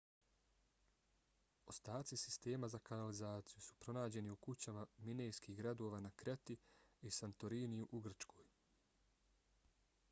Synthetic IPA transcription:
o̞st̪aːt̪sisi̥st̪e̞ːmazakanalizaːt̪sijusu̥pɾo̞naːd͡ʑe̞niukut͡ɕamaminejskiːɦɡɾad̪o̞ːʋaːnakɾe̞t̪iisant̪oɾiːnijuʔuɡr̩t͡ʃkʰo̞ːj

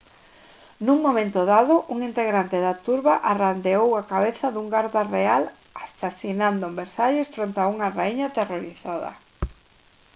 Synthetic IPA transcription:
nuŋmomẽnt̪ʊðaðʊʔuŋint̪eɣɾant̪eðat̪uɾβaʔarand̪eowakaβeθaðuŋɡaɾðareal | asasinand̪ʊombeɾsaʎɪsfɾont̪auŋaraiɲat̪eroɾiθaðɐ̰

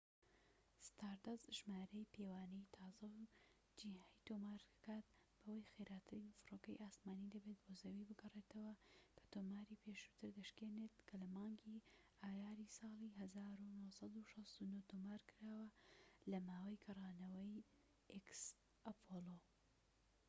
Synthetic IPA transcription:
st̪ʰaɾd̪ɐzʒmaːɾɐjpʰewaːnɐjt̪ʰɑːzɐw | d͡ʒiɦajt̪omaːɾkaːt̪̚b̥ɐwɐjxeɾʔaːt̪ʰɨɾifɨroːkɐjʔaːsmaːnid̪ɐbet̪̚boːzɐwibɨɡɐreːt̪ʰɐwɐkʰɐ̥t̪oːmaːɾipʰeːʃu̥t̪ʰɨɾd̪ɐʃkeːnet̪kʰɐlɐmɑːŋɡiaːjaːɾisɑːlˠiɦɐzaːɾunohsɑd̪uʃɐst̪unot̪omaːɾkɨɾaːwɐlɐmaːwɐjkʰɐrˤɑːnɐwɐj | ʔeks | ʔɐpʰoːlo

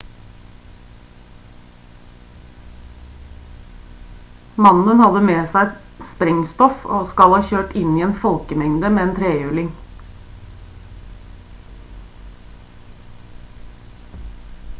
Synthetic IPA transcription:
mɑnənhɔlːəmeːsæɪɛt̪ | spɾɛŋst̪ɔfo̰ːskɑlhɑːçøːʈɪniːeːnfɔlkəmɛŋd̪əmeːeːnt̪ʰɾeːjʉːlɪŋ

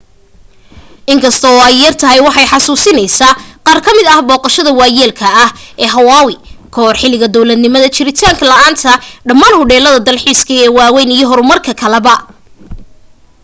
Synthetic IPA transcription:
ʔɪŋkʰɐst̪ʰɔːɛjːɐrt̪ʰɐɦɛjwɑħɑjħɑsuːsɪnɛjsaːqɑːrkʰɐmɪd̪ɐhbɔːqɑʃɐðɐwɑːjɛːlkʰɐɐhʔɛːɦɐwaːwɪkʰɔrħɪlɪɣɐd̪ɔwlɐd̪nɪmɐðɐt͡ʃɪɾɪt̪ʰaːŋkʰɐlɐʔaːnt̪ʰɐɖɐmaːnhʊɽɛːlɐðɐd̪ɐlħiːskʰɐɛːwaːwɛjnijɔɦɔɾʊmɐrkʰɐkʰɐlɛβɐ

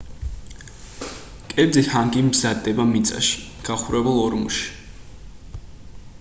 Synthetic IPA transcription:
kʼɛbd̪zithaŋɡʼimzad̪ːɛbamit̪sʼa̰ʃi̥ | ɡ̥aχuɾɛbɛlˠɔɾmṵʃi̥

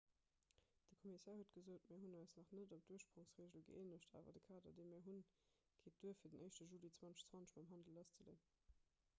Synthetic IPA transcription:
d̥əkʰɔmisɛːɐhuːət̚ɡ̥əzoːtmɛːɐɦunɑɪsnɑχnədop̚d̥uəʃpʁ̥oŋsʁeːʒəlɡə̰eːnəɕtʰa̰ːvɐ̰dəkʰaːdɐ̰deɪmɛːɐɦun | kʰeːt̚d̥uːəfiːɐdənʔəɪʃtəʒuːlit͡swɑnt͡sʃt͡swɑnt͡sʃmɑmɦɑndəl̩ɑst͡səlḛːn

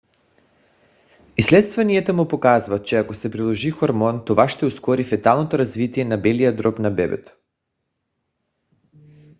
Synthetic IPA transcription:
islɛt̪st̪vaniɛt̪əmupokazvat̪̚t͡ʃɛakosɛpɾilˠoʒixoɾmɔnt̪ovaʃt̪ɛuskɔɾifɛt̪alˠnot̪oɾazvit̪iɛnabɛlijad̪ɾɔpnabɛbɛ̰t̪

